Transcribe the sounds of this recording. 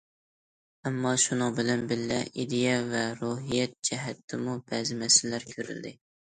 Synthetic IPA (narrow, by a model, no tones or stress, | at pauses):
æmːɑʃunɨŋbɪlɛnbɪllɛid̪ejɛvɛɾuɦijɛt̪̚d͡ʒɛɦæt̪ʰːɪmubæzɪmɛsɪllæɾkʲʰøɾy̰ld̪ɪ